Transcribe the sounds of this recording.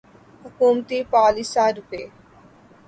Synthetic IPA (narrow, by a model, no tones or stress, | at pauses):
hʊkuːmt̪iːpaːlisaːɾʊpeː